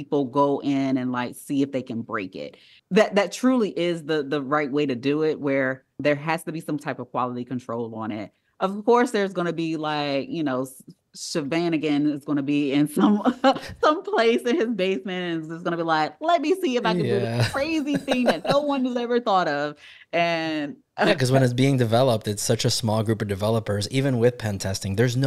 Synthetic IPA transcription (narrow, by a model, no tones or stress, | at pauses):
ipl̩ˠɡoʊʔɪ̃nɨ̃nlaɪksiɨfðeɪkɨ̃nbɹḛɪkɪ̰t̚ | ðɨt̪̚ðɨtʰɹ̥ʉlˠiʔɪzðɨðəɹaɪt̚weɪɾɨdɨɪt̚wə˞ | ðə˞ɦæz̥tɨbisʌ̃mtʰaɪpʌv̥kʰw̥ɑ̰lˠəɾikʰɨ̃ntʰɹ̥oʊlˠə̃nɪ̰t̚ | ʔʌv̥kʰɔɹsðə˞zɡʌnɨbilaɪkjɨnoʊ | ʃɨvæ̃nɨɡɛ̃nɨzɡʌñɨbiɪ̃nsʌ̃msʌ̃mpʰl̥eɪsɨ̃nɪzbeɪsmɨ̃ntɨ̃nzsɡ̥ʌnɨbilaɪk̚lɛt̚misiɨfaɪkɨ̃ndɨðɨkʰɹ̥eɪziθɪ̃ŋɨ̃nːoʊwʌ̃nʉzɛvə˞θɔɾʌv | ɨ̃n | ækʰʌzwə̃ñɨts̬b̥iɪ̃ŋdɨvɛlˠəp̚tɨtsʌt͡ʃɨsmɔlˠɡɹʉpʌvdɨvɛlˠəpə˞zivɨ̃nwɪð̥pʰɛ̃ntʰɛstɪ̃ŋðə˞zn